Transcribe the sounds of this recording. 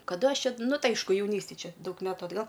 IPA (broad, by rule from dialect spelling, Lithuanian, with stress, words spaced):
kɐˈdɐ ˈɐʃ ˈt͡ʃʲɛ ˈnʊ ˈtɐɪ ˈɐɪʃkʊ jɛʊˈnʲiːsʲtʲeːj ˈt͡ʃʲɛ ˈdɐʊk ˈmʲæːtʊ ɐdˈɡɐlˠ